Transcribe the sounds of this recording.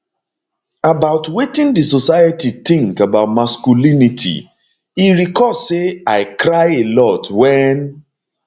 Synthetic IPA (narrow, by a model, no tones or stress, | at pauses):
abaʊtwetĩndisosaɪətitĩŋkabaʊtmaskulinitʰḭ | iɾikɔseaɪkɾaɪelɔtwɛn